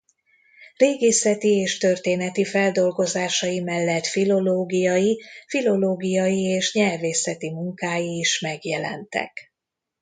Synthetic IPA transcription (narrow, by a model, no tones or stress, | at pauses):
reːɡeːsɛt̪ieːʃt̪ørt̪eːnɛt̪ifɛld̪o̞lɡo̞zaːʃɒjimɛlːɛt̪filo̞loːɡijɒjifilo̞loːɡijɒjieːʃɲɛrveːsɛt̪imuŋkaːjiːʃmɛɡjɛlɛ̰nt̪ɛ̰k